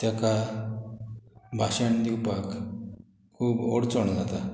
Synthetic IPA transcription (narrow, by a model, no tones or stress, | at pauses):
t̪jaka | bʱaɕaɳd̪iwpak | kʰːuːbɔɽt͡sɔɳd͡zʱat̪a